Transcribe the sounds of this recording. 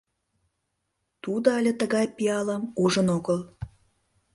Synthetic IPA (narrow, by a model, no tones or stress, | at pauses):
t̪ud̪oɑlʲə̆t̪əɣɑjpiɑlə̆muʒə̆noɣəl